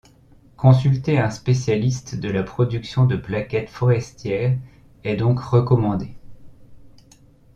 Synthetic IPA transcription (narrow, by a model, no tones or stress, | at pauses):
kʰɔ̃sylt̪eɛ̃spesjalist̪d̪əlapχɔd̪yksjɔ̃d̪əplakʲɛt̪fɔʁɛst̪jɛːʁ | ɛd̪ɔ̃kʁəkɔmɑ̃d̪e